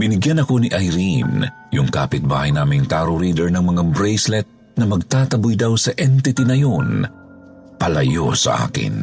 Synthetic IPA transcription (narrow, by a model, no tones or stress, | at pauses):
bɪnɪɡjanɐko̞niʔajɾin | jʊŋka̰ːpɪt̪̚baːhɐjnaːmɪŋt̪aːɾʊɾiːd̪ɛɹnɐŋmɐŋabɾɛjslɛt̪̚ | nɐmɐɡ̚t̪aːt̪ɐbʊjd̪awsɐʔɛnt̪ɪt̪inɐjon | pɐlɐjosɐ̰ʔa̰ːkɪ̰n